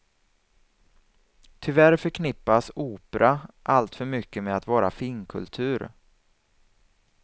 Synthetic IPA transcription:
t̪ʰʏvæɾfœɾkʰnɪpːasuːpɾaʔalt̪fœɾmʏkːəmɛat̪vɑːɾa̰fɪŋkʰɵ̰lt̪ʰʉ̟ːɾ

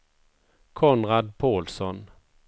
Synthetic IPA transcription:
kʰɔnɾad̪̚pʰoːlsɔn

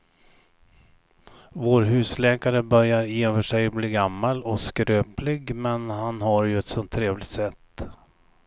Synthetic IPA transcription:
voːɾɦʉ̟ːslɛːkaɾəbœɾjaɾjeːfœʂɛjbliːɡamːalɔskɾøːplɪɡmɛnhanɦaɾjɵɛt̪sɔnt̪ʰːɾeːvlɪɡt̪sɛt̪ː

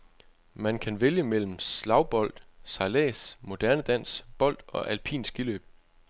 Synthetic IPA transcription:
mænkʰænʋeljəmel̰m̩slɑ̈ʊb̥ɒ̽l̰d̥sɑ̈lɛ̰ːsmo̝d̥æɐnəd̥æn̰sb̥ɒ̽l̰d̥ɒ̽ʔælpʰḭːnsɡ̥ilø̰ːb̥

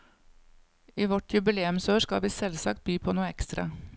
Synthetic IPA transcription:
iːʋɔʈʰjʉbɪleːʉmsøːʃkɑ̰ʋiːsɛlsɑk̚t̪̚byːpʰoːnuːəɛkst̪ɾɑ̰

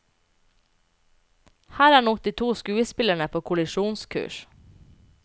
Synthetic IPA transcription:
hæːɾæːɳɔt̪ɪt̪ʰuːskʉːəspɪləɳəpʰoːkʰʊlɪʂuːnskʰʉ̰ːʂ

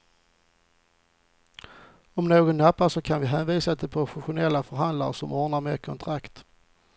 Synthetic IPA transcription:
ɔmnoːɡɔnːapːaʂɔkʰanvɪɦɛːnviːsad̪ɛpʰɔɧʊɧʊnɛlːafœɾɦand̪la̰ɾəʂɔmʔɔːɳaɾmeːɾkʰɔnt̪ʰɾakt̪

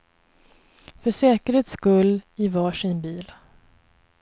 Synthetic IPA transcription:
fœʂɛːkəɾheːt̪skɵlːɪvɑːʂɪnbiːl

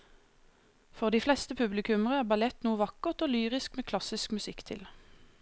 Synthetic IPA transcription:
fɔʁd̪iːflɛst̪əpʰʉblɪkʉməʁəæːʁbɑlɛt̪nuːəʋɑkəʁt̪oːlyːʁɪskmeːkʰlɑsɪskmʉsɪkt̪ʰɪ̰l

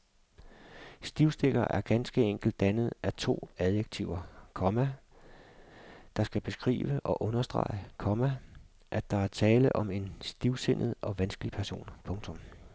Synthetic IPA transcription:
sd̥iʊsd̥eɡ̥ɐʔæɐɡ̥ænsɡ̥əeŋ̰ɡ̥l̩d̥ːænəð̞̩ˠʔæt͡sʰo̝̰ːæðˠjeɡ̥̚t͡sʰiʊɐkʰɒ̽mæ | d̥ɑ̈sɡ̥æb̥e̝sɡ̥ʁḭːʋəʔɒ̽ʔɔ̽nɐsd̥ʁɑ̰̈ɪəkʰɒ̽mæ | ʔæ̥ɑ̈æɐt͡sʰɛːləʔɒ̽me̝nsd̥iʊsen̰ʔð̞̩ˠɒ̽ʋænsɡ̥əlipʰæɐso̝̰ːnpʰɔ̽ŋt͡sʰɔ̽m

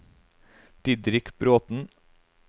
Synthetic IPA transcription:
d̪̥ɪd̪ɾɪkbɾoːt̪n̩

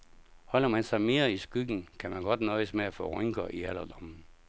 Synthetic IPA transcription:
hɒ̽l̰ɐmænsɑ̈ɪme̝ːɐisɡ̥yɡ̥n̩kʰæmænɡ̥ɒ̽d̥nɔðˠsmeæfɔ̰ːʁœŋɡ̥ɐʔiælɐd̥ɒm̩

